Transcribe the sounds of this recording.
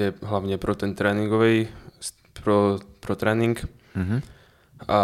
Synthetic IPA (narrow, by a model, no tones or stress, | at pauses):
ɛɦlaʊɲɛpɾɔt̪ɛnt̪ɾɛːniŋɡɔʋɛjs | pɾɔpɾɔt̪ɾɛːniŋk̩ | ɦ | a